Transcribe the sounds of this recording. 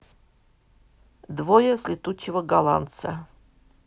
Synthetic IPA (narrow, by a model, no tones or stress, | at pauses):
d̪vojəsʲlʲɪt̪ut͡ɕːɪvəɡalˠa̰nt̪sə